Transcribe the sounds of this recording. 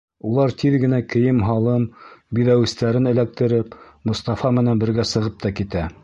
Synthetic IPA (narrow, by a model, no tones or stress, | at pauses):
ulˠɑɾt̪ʰiðɡɘ̆nækɘ̆jɘmɦɑlˠɤmbiðæwɘ̆st̪æɾɘnɘ̆læk̚t̪ɘ̆ɾɘpmŏst̪ɑfɑmɘ̆nænbɘ̆ɾɡæsɤ̆ʁɤp̚t̪ɑkit̪æ